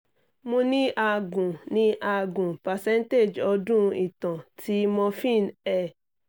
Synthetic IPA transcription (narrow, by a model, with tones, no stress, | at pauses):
mõ˧nĩ˦ʔa˧˨ɡũ˨nĩ˨˦ʔa˧˨ɡũ˨pa˨sɛ̃˦n˦te˦˨d͡ʒɔ˧dũ˦i˨tã˨tʰi˦mɔ̃˧fĩ˦˨nɛ˨